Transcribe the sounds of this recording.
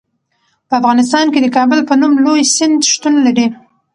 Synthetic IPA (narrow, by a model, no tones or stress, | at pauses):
pəafɣɑnɪs̬t̪ɑnked̪əkɑbəlpənumlojsɪnd̪ʃt̪unlaɽi